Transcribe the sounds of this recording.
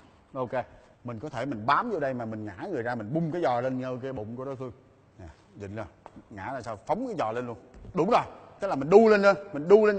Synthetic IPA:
ʔo˧ke˧ | mï˨˩ŋ̟kɔ˨˦t̪ʰe˧˩mï˨˩ŋ̟ɓaː˨˦mzo˧ɗə˧jmaː˨˩mï˨˩ŋ̟ŋa̰ː˧˥ŋɨ˨˩əjzaː˧mï˨˩ŋ̟ɓʊ˧ŋ͡mkaː˨˦jzɔ˨˩le˧nɲəː˧k̬aː˨˦jɓʊ̰˧˨ŋ͡mku˧˦ɗɔ˨˦fɨ˧əŋ | ɲaː˨˩ | zḭ˧˨ŋ̟zo˨˩jŋa̰ː˧˥la̰ː˧˨˩saː˧wfə˨˦wŋ͡mkaː˨˦jzɔ̰˨˩le˧nlu˧ənɗʊ˨˧˥ŋ͡mzo˨˩jt̪laː˨˩mï˨˩ŋ̟ɗu˧le˧nle˧nmi˨˩ŋ̟ɗu˧le˧n

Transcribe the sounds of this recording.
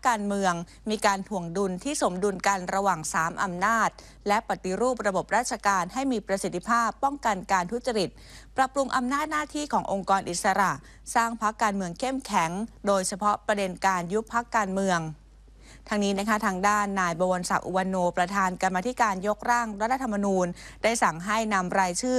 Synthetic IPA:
a˦˥kːaː˧nmɯ˧əŋ | miː˧kaː˧nt̪ʰu˨˩əŋdu˧nt̪ʰiː˥˩so˩˦mdu˧nka˧nɾa˧waː˨˩ŋsaː˩˦mʔa˧mnaː˥˩t̪̚ | lɛ˦˥ʔpa˨˩t̪i˧ɾuː˥˩p̚ɾa˧bo˨˩p̚ɾaː˥˩t̪̚t͡ɕʰa˧kaː˧nha˥˩jmiː˧pɾa˧si˨˩t̪ʰːi˧˥pʰaː˥˩pːɔ˥˩ŋka˧nkaː˧nt̪ʰu˦˥t̪̚t͡ɕa˧ɾi˨˩t̪̚pɾa˨pɾu˧ŋʔa˧mnaː˥˩t̪̚naː˥˩t̪ʰiː˥˩kʰɔː˩˦ŋʔo˧ŋkɔː˧nʔi˨˩t̪̚sa˧ɾa˨˩ʔ | saː˥˩ŋpʰa˦˥kːaː˧nmɯ˧əŋkʰe˥˩mkʰɛ˩˦ŋdoː˧jt͡ɕʰa˧pʰɔ˦˥pɾa˧de˧nkaː˧nju˦˥pʰːa˦˥kːaː˧nmɯ˧əŋ | t̪ʰa˧˥ŋniː˦˥na˦˥kʰa˦˥t̪ʰaː˧ŋdaː˥˩nːaː˧jbɔː˧wa˧nsa̰˨˩k̚ʔu˧wa˧nːoː˧pɾa˧t̪ʰaː˧nka˧mːaː˧t̪ʰi˦˥kaː˧njo˦˥k̚ɾaː˥˩ŋɾa˦˥t̪ʰːa˧t̪ʰa˧mːa˧nuː˧ndaː˥˩jsa˨˩ŋɦa˥˩jna˧mɾaː˧jt͡ɕʰɯː˥˩

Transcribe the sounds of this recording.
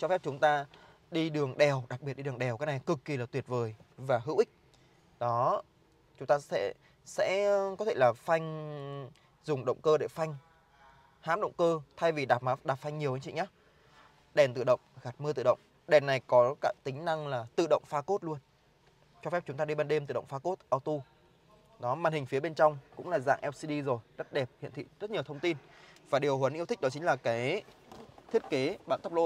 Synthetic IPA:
t͡ɕɔ˧fɛ˦˥p̚t͡ɕʊ˨˦ŋ͡mt̪aː˧ | ɗi˧ɗɨ˨˩əŋɗɛ˨˩wɗa˨˩k̚ɓi˨˩t̚ɗi˧ɗɨ˨˩əŋɗɛ˨˩wkaː˨˦jna˨˩jkɨ˨˩kːi˨˩laː˨˩t̪wi˨˩ət̚vəː˨˩jvaː˨˩ɦɨ̰˧˥wʔï˦˥k̟̚ | ɗɔ˨˦ | t͡ɕʊ˨˦ŋ͡mt̪aː˧sɛ̰˧˥ | sɛ̰˧˥kɔ˨˦t̪ʰe˧˩laː˨˩fa˧jŋ̟ | zʊ˨˩ŋ͡mɗə̰˧˨wŋ͡mkəː˧ɗḛ˧˩fa˧jŋ̟ | haː˨˦mɗə̰˧˨wŋ͡mkəː˧t̪ʰa˧jvi˨˩ɗaː˨˩p̚maː˨˦ɗaː˨˩p̚fa˧jŋ̟ɲi˨˩əwə˧˦ɲt͡ɕḭ˧˨ɲaː˨˦ | ɗɛ˨˩nt̪ɨ̰˧˨ɗə̰˧˨wŋ͡mɣa˨˩t̚mɨ˧t̪ɨ̰˧˨ɗə̰˧˨wŋ͡m | ɗɛ˨˩nna˨˩jkɔ˨˦kaː˦˥k̚t̪ï˨˦ŋ̟na˧ŋlaː˨˩t̪ɨ̰˧˨ɗə̰˧˨wŋ͡mfaː˧ko˦˥t̚lu˧ən | t͡ɕɔ˧fɛ˦˥p̚t͡ɕʊ˨˦ŋ͡mt̪aː˧ɗi˧ɓaː˧nɗe˧mt̪ɨ̰˧˨ɗə̰˧˨ŋ͡mfaː˧ko˦˥t̚ʔaː˧wt̪u˧ | ɗɔ˨˦maː˧˨nhï˨˩ŋ̟fi˨˦ɓe˧nt͡ɕɔ˧wŋ͡mkʊ̰˧˥ŋ͡mlaː˨˩za̰ː˧˨ʔɛ˧wsi˧ɗi˧zo˨˩jzə˦˥t̚ɗɛ˨˩p̚hḭ˧˨nt̪ʰḭ˧˨zə˦˥t̚ɲi˨˩əwt̪ʰə˧wŋ͡mt̪i˧nvaː˨˩ɗi˨˩əwɦwə˨˦nʔt̪ʰk̚nɔ˨˦t͡ɕï˨˦ŋ̟laː˨˩kaː˨˦j | t̪ʰi˦˥ət̚ke˨˦ɓaː˧nt̪ə˦˥p̚lo̰˧

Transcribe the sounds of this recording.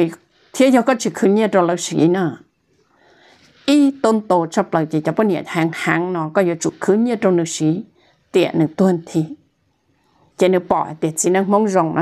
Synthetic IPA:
i˧˨ | t̪ʰi˧˦ja˧kɔ˧˥t͡ʃi˧kʰɨ˧˦ɲi˧ə˨ʈ͡ʂo˧la˧wsḭ˨˦nɔ˧˩˨ | ʔi˧t̪o˧nt̪o˧˨t͡ʃa˧plə˨wt͡ɕi˧˨˩t͡ɕa˧pɔ˧˦ni˧˨ə˨tha˧˩ŋha˧˦ŋnɔ˧kɔ˧˩ja˧t͡ʃu˧˨kʰɨ˧˦ɲi˧˨ɾo˧nɨ˧˨si˨˦ | t̪i˧˨˩ənɨ˨˩t̪u˧ənt̪ʰi˧ | t͡ɕe˧˦nɨ˧pɔ̰˨˧˨jt̪i˧˩˨t͡si˧˦na˧ŋmɔ˧˦ŋzɔ˧˩˨ŋnɔ̰˧

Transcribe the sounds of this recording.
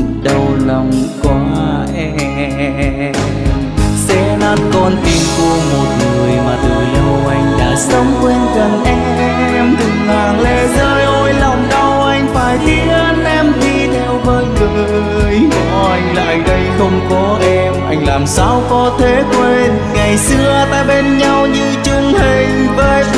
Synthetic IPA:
ɗə˨˩wlə˨˩wŋ͡mkwaː˨˦ʔɛ˧ | m | sɛ˧naː˦˥t̚kɔ˧nt̪i˨˩nku˧əmo˨˩t̚ŋɨ˨˩əjma˨˩t̚lo˨˩jho˧wʔa˧jŋ̟la̰ː˧˨sə˨˦wŋ͡mkwe˧nkə˨˩nʔɛ˧ | ɛ | mɗɨ˨˩ŋmaː˨˩nle˧˩zəː˧jʔo˧jlɔ˨˩wŋ͡mɗə˧wʔa˧jŋ̟faː˧˩jt̪i˧˦ʔəː˧nʔɛ˧mt̪ʰi˧˩ɗe˨˩wvəː˨˦jŋəː˨˩˨ | jɔ˧˩˧ʔa˧jŋ̟la̰ː˧˨jɗə˧jxə˧wŋ͡mkɔ˨˦ʔɛ˧mʔa˧jŋ̟laː˨˩msaː˧˩wkɔ˨˦t̪ʰe˨˦kwe˧n | ŋa˨˩jsɨ˧ət̪aː˧ɓe˧nɲa˧wɲɨ˧t͡ɕʊ˧ŋ͡mhï˨˧˩ŋ̟vəː˧

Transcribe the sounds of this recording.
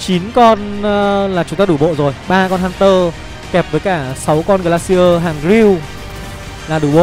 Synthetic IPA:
t͡ɕi˨˦nkɔ˧nlaː˨˩t͡ɕʊ˨˦ŋ͡mt̪aː˧ɗu˧˩ɓo̰˧˨zo˨˩jɓaː˧kɔ˧nhaː˧nt̪əː˧ | kɛ˨˩p̚vəː˨˦jkaː˧˩sa˨˦wkɔ˧nə˧˩˨laː˧si˧əː˧ɦaː˨˩ŋɣi˧w | laː˨˩ɗu˧˩ɓo̰˧˨

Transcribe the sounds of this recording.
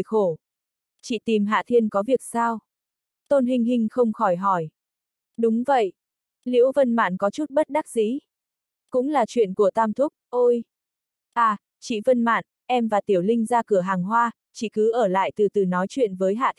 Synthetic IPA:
xo˧˩ | t͡ɕḭ˧˩˨t̪i˨˩mɦa̰ː˧˨t̪ʰi˧ənkɔ˨˦vi˨˩ək̚saː˧w | t̪o˧nɦï˧ŋ̟ɦï˧ŋ̟xə˧wŋ͡mxɔ˧˩jɦɔ˧˩j | ɗʊ˨˦ŋ͡mvə̰˧˨jʔ | lḭ˧˥əwvə˧nma̰ː˧˨nkɔ˨˦t͡ɕu˦˥t̚ɓə˦˥t̚ɗa˦˥k̚zḭ˧˥ | kʊ̰˧˥ŋ͡mlaː˨˩t͡ɕwḭ˧˨ənku˧˩ət̪aː˧mt̪ʰʊ˦˥k͡p̚ʔo˧j | ʔaː˧˩ | t͡ɕḭ˧˨və˧nma̰ː˧˨n | ʔɛ˧mvaː˨˩t̪i˧˩əwlï˧ŋ̟zaː˧kɨ˧˩əɦaː˨˩ŋɦwaː˧ | t͡ɕḭ˧˩kɨ˨˦ʔəː˧˩la̰ː˧˨jt̪ɨ˨˩t̪ɨ˨˩nɔ˨˦jt͡ɕwḭ˧˨ənvəː˨˦jɦa̰ː˧˨

